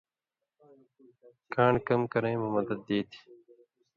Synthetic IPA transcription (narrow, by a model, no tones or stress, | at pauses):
kaːɳkɐmkɐɾɐ̃j̃mɐmɐd̪ɐd̪̚ːeːt̪ʰi̥